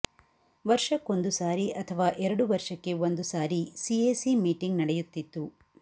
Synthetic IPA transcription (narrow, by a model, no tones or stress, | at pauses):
ʋɐɾʂɐkːo̞nd̪usaːɾiʔɐt̪ʰɐʋaːʔɛɾɐɽuʋɐɾʂɐkːe̞ond̪usaːɾisieːsimiːʈiŋɡnɐɽɛjut̪ːit̪ːu